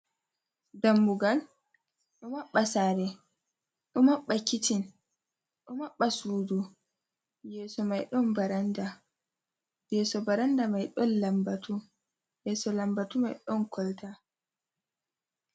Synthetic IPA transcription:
dambuɡal | ɗɔmaɓːasaːɾɛ | ɗɔmaɓːakitin | ɗɔmaɓːasuːdu | jɛːsɔmajɗɔnbaɾanda | jɛːsɔbaɾandamajɗɔnlambatu | jɛsɔlambatumajɗɔnkʰɔlta

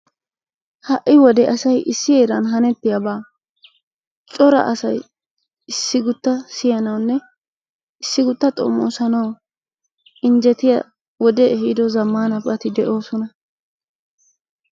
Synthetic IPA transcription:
hɐʔɪwɔd̪ɛʔɐsɐjʔɪsːɪjeːɾɐnɦɐnɛt̪ːɪjɐbaː | t͡ʃʼɔɾɐ̰ʔɐsɐj | ɪsːɪɡʊt̪ːɐsɪjɐnɐwnːɛ | ɪsːɪɡʊt̪ːɐt̪ʼo̰mːo̰ːsɐnɐw | ɪnd͡ʒɛt̪ɪjɐ̰ | wɔd̪ɛɛhid̪ɔzɐmːaːnɐbɐt̪ɪd̪ɛʔo̞ːsɔnɐ

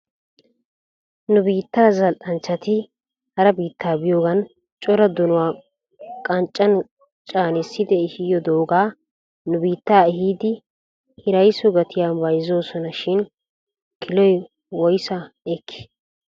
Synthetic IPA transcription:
nʊbiːt̪ːaːzɐlʔʼɐnt͡ʃːɐt̪ɪ | hɐɾɐbiːt̪ːaːbɪjoːɡɐn | t͡ʃʼɔɾɐd̪ɔnʊwaː | kʼɐnt͡ʃʼːɐn | t͡ʃʼaːnɛsːɪd̪ɛɪhɪjɔd̪o̞ːɡaː | nʊbiːt̪ːaːɛhiːd̪ɪ | hɪɾɐjsɔɡɐt̪ʰɪjaːnbɐjzoːsɔnɐʃɪn | kʰɪlɔj | wɔjsɐɛkʰːɪ̥

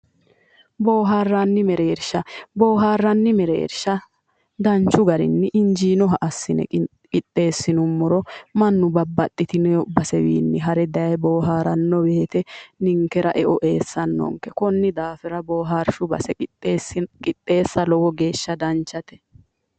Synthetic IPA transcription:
bo̞ːɦaːrːɐnːɪmɛɾeːɾʃɐboːɦaːrːɐnːɪmɛɾḛːɾʃɐ | d̪ɐnt͡ʃːʊɡɐɾɪ̰nːɪʔɪnd͡ʒiːnɔɦɐʔɐsːɪnɛ̰ | kʼɪt̪ʼːe̞ːsːɪnʊmːɔɾɔmɐnːʊbɐbːɐt̪ʼːɪt̪ɪnɛbɐsɛwḭːnːɪɦɐɾɛd̪ɐjɐjboːɦaːɾɐnːɔbeːt̪ɛnɪŋkɛɾɐʔɛʔɔʔe̞ːsːɐnːɔ̰ŋkɛkɔnːɪd̪aːfɛɾɐboːɦaːɾʃʊbɐ̰sɛ | kʼɪt̪ʼːe̞ːsːɐlɔwɔɡe̞ːʃːɐd̪ɐnt͡ʃːɐt̪ɛ̥

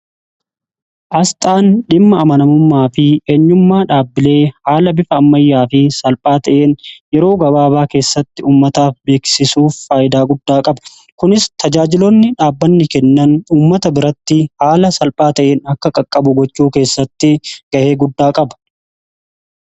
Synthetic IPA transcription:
ʔɐst̪ʼaːnᶑɪmːɐːmɐnɐmʊmːaːfɪʔeːɲːʊmːaːᶑaːbːɪle̞ːhaːlɐbɪfɐːmːɐjːaːfɪsɐlpʼaːt̪ɐʔe̞ːnjɛɾo̞ːɡɐbaːβaːke̞ːsːɐt̪ːɪuːmːɐt̪aːfbe̞ːksɪsuːfːaːjɪd̪aːɡʊd̪ːaːkʼɐbɐ | kʊnɪst̪ʰɐd͡ʒaːd͡ʒɪlɔnːɪᶑaːbːɐnːɪkɛnːɐnuːmːɐt̪ɐbɪɾɐt̪ːɪhaːlɐsɐlpʼaːt̪ɐʔe̞ːnɐkːɐkʼɐkʼːɐbʊɡɔt͡ʃːuːke̞ːsːɐt̪ːɪɡ̥ɐʔe̞ːɡʊd̪ːaːkʼɐbɐ̥

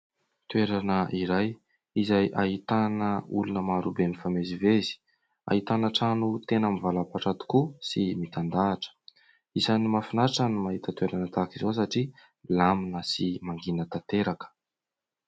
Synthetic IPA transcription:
t̪weɾanəʔiɾaj | izajʔaɦit̪anəulunəmaɾubenifamezivezi̥ | a̰ɦit̪anaʈ͡ʂanut̪enamivalapaʈ͡ʂat̪u̥kusimit̪and̪aːʈ͡ʂə̥ | izanimafinaʈ͡ʂanimaɦit̪ət̪weɾanət̪akizos̬aʈ͡ʂi | laminəsimaŋɡinət̪at̪eɾakə̥

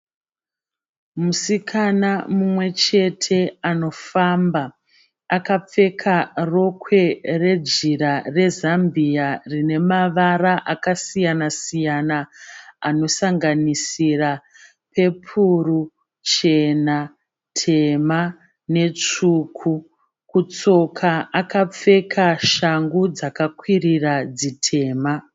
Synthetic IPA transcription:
musikʰanamumwe̞t͡ʃe̞tʰe̞ano̞famba | akap͡fe̞kʰaro̞kʰwe̞re̞d͡ʒiɾare̞zambijarine̞maʋaraʔakasijanasijanaano̞saŋɡanisira | pe̞pʰuru | t͡ʃe̞na | tʰe̞ma | ne̞t͡ʂuːkʰu | kut͡so̞kʰaakap͡fe̞kʰaʃaŋɡud͡zakakwirirad͡zitʰe̞ːma

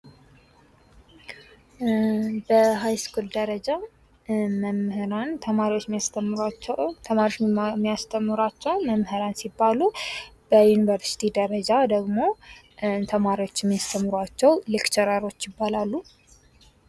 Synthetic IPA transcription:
bəɦajskuld̪əɾəd͡ʒa | məmhɨɾant̪ʰəmaɾiwo̞t͡ʃːmijast̪ʰəmːɾat͡ʃːt̪ʰəmaɾiot͡ʃmːijast̪ʰəmːɨɾwat͡ʃːɛwməmhɨɾansibːalub̥əjunivəɾsi̥t̪ʰid̪əɾəd͡ʒad̪əɡmo̞ | t̪ʰəmaɾiwo̞t͡ʃːɪmːijast̪ʰəmːɨɾwat͡ʃːɛwlɪkt͡ʃʰɛɾaɾo̞t͡ʃːjɪbːalalːu

